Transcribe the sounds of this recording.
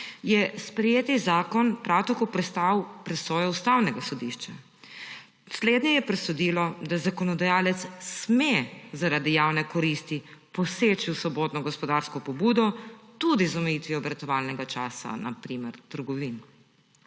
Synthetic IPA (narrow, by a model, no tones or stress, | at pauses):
jɛspɾɛjeːt̪izaːkɔnpɾawt̪akopɾɛst̪awpɾɛsɔːjɔust̪awnɛɡasɔd̪iʃt͡ʃa | sleːd̪ɲɛjɛpɾɛsɔd̪ilɔd̪azakɔnɔd̪ajaːlɛt̪ssmezaɾad̪ijaːwnɛkɔɾist̪ipɔseːt͡ʃiwsɔbot̪nɔɡɔspɔd̪aɾskɔpɔbud̪ɔt̪ud̪izɔmɛjit̪ʋiɔbɾɐt̪ɔʋaːlnɛɡat͡ʃaːsa̰na̰pɾiːmɛɾt̪əɾɡɔʋin